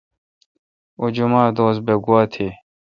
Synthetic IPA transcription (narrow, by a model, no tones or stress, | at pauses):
od͡ʑumaːd̪oːsbeɡuaːt̪ʰiː